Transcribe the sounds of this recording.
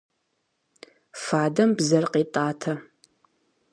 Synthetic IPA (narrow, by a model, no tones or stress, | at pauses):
faːdɐmbzɐrqiːtʼaːtʰɐ